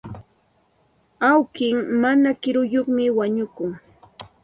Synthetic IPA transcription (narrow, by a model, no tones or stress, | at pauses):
awkɪŋmanakɪɾʊjoχmɪwaɲʊkʊŋ